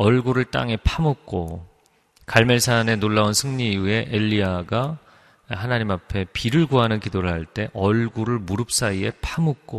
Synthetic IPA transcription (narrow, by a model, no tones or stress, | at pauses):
ʌɭɡuɾɯɭt͈a̰ŋe̞pʰamuk̚k͈o | kaɭme̞sʰane̞noɭːaunsʰɯŋɲiːue̞ʔeʎːiaɡa | hanaɲimapʰe̞piɾɯɭɡoɦanɯnkidoɾɯɭhaɭt͈e̞ʔʌɭɡuɾɯɭmuɾɯp̚s͈aie̞pʰamɯk̚k͈o